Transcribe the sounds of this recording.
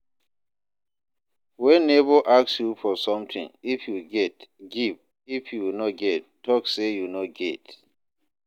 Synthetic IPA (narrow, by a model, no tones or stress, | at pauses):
wɛnːebɔʔaksjufɔsɔ̃mtʰḭ̃ŋifjuɡɛtɡiv | ifjuwinɔt̚ɡɛttʰːɔksejunɔt̚ɡɛt